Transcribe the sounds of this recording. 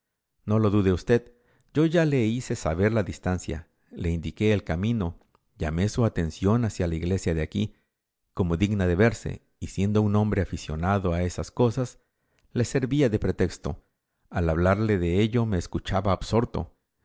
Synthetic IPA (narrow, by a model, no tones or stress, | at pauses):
no̞lo̞ðuðe̞ust̪e̞ð | ɟ͡ʝo̞ʝale̞ise̞sa̰βe̞ɾlaðist̪ansja̰ | le̞ind̪ike̞ːlkamĩno̞ | ʝame̞suat̪ensjo̞nasjalaiɣle̞sjaðeaki | ko̞mo̞ðiɡnaðe̞βe̞ɾse̞̰ | isje̞nd̪ounõ̞mbɾe̞afisjo̞̰naðo̞ae̞sasko̞sas | le̞se̞ɾβiaðe̞pɾe̞t̪e̞kst̪o̞̰ | alaβlaɾle̞ðe̞e̞ʎo̞meːskut͡ʃaβaːbso̞ɾt̪o̞̰